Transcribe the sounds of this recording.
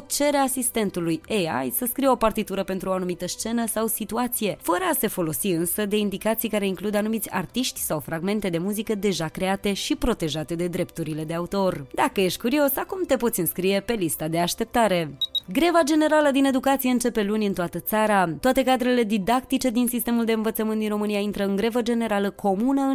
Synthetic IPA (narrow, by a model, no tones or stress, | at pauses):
t͡ʃe̞ɾeasist̪e̞nt̪ulujeja̰jsəskɾijo̞part̪it̪uɾəpe̞nt̪ɾuoanumit̪əst͡ʃe̞nəsawsit̪uat̪sije̞fəɾəase̞fo̞lo̞siɨnsəd̪e̞ind̪ikat̪sijkaɾe̞iŋklud̪anumit̪sʲa̰rt̪iʃt̪ʲsawfɾaɡme̞nt̪e̞d̪e̞muzikəd̪e̞ʒakɾe̞at̪e̞ʃipɾo̞t̪e̞ʒat̪e̞d̪e̞d̪ɾe̞p̚t̪uɾile̞d̪e̞aut̪o̞rd̪akəje̞ʃt̪̚ʲkuɾio̞sakumt̪e̞po̞t̪sʲɨnskɾije̞pe̞list̪ad̪e̞aʃt̪e̞p̚t̪aɾe̞ɡɾe̞vad͡ʒe̞ne̞ɾaləd̪ine̞d̪ukat̪sije̞ɨnt͡ʃe̞pe̞lunʲɨnt̪oat̪ət̪saɾat̪oat̪e̞kad̪ɾele̞d̪id̪ak̚t̪it͡ʃe̞d̪insist̪e̞muld̪e̞ɨnvət̪səmɨnt̪d̪inro̞mɨnijaint̪ɾəɨŋɡɾe̞vəd͡ʒe̞ne̞ɾaləkʰo̞munəɨ